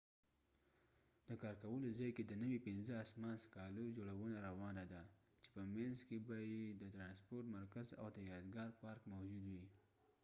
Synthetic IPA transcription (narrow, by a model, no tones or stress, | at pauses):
d̪əkɑɾkawəlozɑjked̪ənəwipɪnzəasmɑnskɑlod͡ʒoɽawənaɾawɑnad̪a | t͡ʃe̥pəmanzkebɑjed̪ət̪ɾɑnspoɾʈmaɾkaza̰wd̪əjɑd̪ɡɑɾpɑɾkmawd͡ʒud̪wi